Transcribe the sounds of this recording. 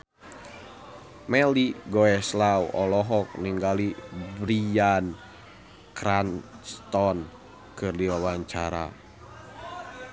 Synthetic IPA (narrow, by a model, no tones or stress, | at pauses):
mɛliɡɔɛslawʔɔlɔɦɔk̚niŋɡalibɾian | kɾanst̪ɔn | kɨrdiwawaɲt͡ʃaɾa̰